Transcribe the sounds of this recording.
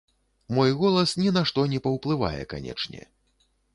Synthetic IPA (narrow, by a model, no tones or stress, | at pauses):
mɔjɣɔlˠɐsnʲɛnaʂt̪ɔnʲɛpɐwplˠɨva̰jɛ̰ka̰nʲɛ̰t͡ʂnʲɛ̰